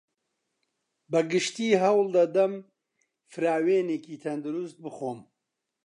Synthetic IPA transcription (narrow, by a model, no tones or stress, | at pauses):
bɐɡɨʃt̪iːɦɐwld̪ɐd̪ɐm | fɨɾaːweːneːkiːt̪ʰɐnd̪ɨɾust̪̚bɨxoːm